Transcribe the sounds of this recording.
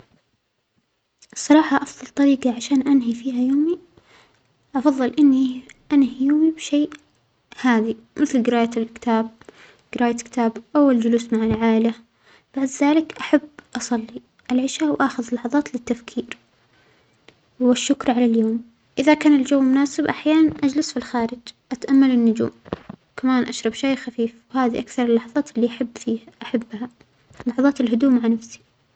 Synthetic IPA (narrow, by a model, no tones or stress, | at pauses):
ʔsˤːɑɾˤɑːħɑʔɑfðˤɑlt̪ˤɑɾiːɡɑʕaʃaːnʔanɦifiːhajoːmi | ʔɑfɑðˤːɨlʔɪnːiʔanhijoːmibʃeː | haːðimɪθlɡɪɾaːjalkɪ̥t̪ʰaːb̚ | ɡ̥ɪɾaːjakɪ̥t̪ʰaːbʔawːald͡ʒʊluːsmaʕalʕaːʔɪla | b̥aʕd̪ðaːlɪkʔaħabːʔɑsˤɑlːi | ʔalʕɪʃawʔaxɪðɪlːɑħɑðˤɑːt̪lɪt̪ːafkʰiːɾ | wɪʃːʊkɾʕalaljoːm | ʔɪðakaːnɪld͡ʒawːmʊnaːsɪbʔaħjaːnanʔad͡ʒlɪsfilxaːɾɪd͡ʒʔat̪ʔamːalɪnːʊd͡ʒṵːmwkamaːnʔaʃɾˤɑbʃaːxafiːfwhaːðiʔakθɑɾˤɪlːɑħɑðˤɑːt̪ɪlːiʔaħabːfiːhaʔaħabːha | lːɑħɑðˤɑːt̪ɪlɦʊd̪uːʔmaʕnafsi̥